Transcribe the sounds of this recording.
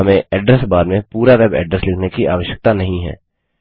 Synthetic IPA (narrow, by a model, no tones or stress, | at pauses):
ɐmẽɛːɖɾəsbaːd̪mẽpuːɾaʋɛːbɛ̰ːɖɾəslɪkʰnekiʔa̰ːʋəʃjək̚t̪anɐɦĩɦɛ̰ː